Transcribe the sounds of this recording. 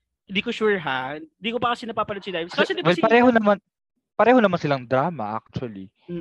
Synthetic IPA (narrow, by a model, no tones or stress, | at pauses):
hɪnd̪iːkoʃuɹɦaɪnd̪iːkopɐkɐsɪnɐpaːpɐnod̪sɪd̪aːjmssd̪ɪwɛlpɐɾɛːɦonɐman | pɐɾɛːhonɐmansɪlaŋd̪ɾaːmɐ̰ʔa̰k̚t͡ʃʊɐli